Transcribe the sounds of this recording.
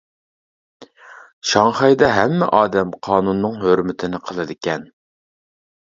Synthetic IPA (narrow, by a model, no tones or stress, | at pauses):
ʃɑŋχɑjd̪ɛɦɛmːɛ̰ʔɑːd̪ɛmqʰɑːnunːɨŋɦøɾmɪt̪ʰɪnɪqʰəlˠɨd̪ɪkʲɛn